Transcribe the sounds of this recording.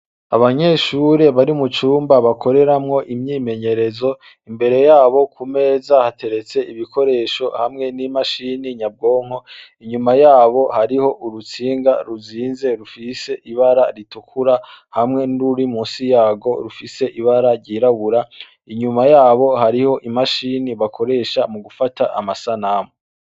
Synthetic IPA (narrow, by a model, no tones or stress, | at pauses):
aβaɲe̞ːʃuɾe̞βaɾiumut͡ʃuːmbaβakʰo̞ɾe̞ɾamŋo̞ʔimɲiːme̞ɲe̞ɾe̞zo̞ | imbe̞ɾe̞jaːβo̞kʰume̞ːzahate̞ɾe̞t͡se̞iβikʰo̞ɾe̞ːʃo̞hamŋe̞nimaʃiːniɲab̚ɡo̞ːŋ̥o̞iɲumajaːβo̞haɾiho̞ʔuɾut͡siːŋɡaɾuziːnze̞ɾufise̞ʔiβaɾaɾitukʰuɾahamŋe̞nuɾuɾimuːnsijaːɡo̞ɾufise̞ʔiβaɾaɾɟiɾaβuɾa | iɲumajaːβo̞haɾiho̞ʔimaʃiniβakʰo̞ɾe̞ːʃamuɡufataʔa̰masanamo